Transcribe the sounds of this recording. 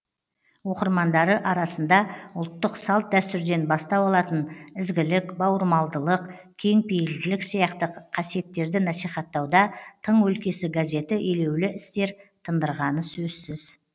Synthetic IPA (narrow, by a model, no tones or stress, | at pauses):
wo̞qəɾmɑnd̪ɑɾəʔɑɾɑsənd̪ɑʊlˠt̪ːəqsɑlˠt̪̚d̪æst̪ʏɾd̪e̞nbɑst̪ɑpɑlˠɑt̪ənɪzɡʲɪlɪkbɑwəɾmɑlˠd̪əlˠəq | kʲʰe̞ŋpʰejɪld̪ɪlɪksijɑqt̪əqʰɑsije̞t̪ːe̞ɾd̪ɪnɑsijχɑt̪ːɑwd̪ɑt̪ʰəɴwɵlkʲe̞sɪɡaze̞t̪ɪʔele̞wlɪʔɪst̪e̞ɾt̪ʰənd̪əɾʁɑnəsɵzsɪz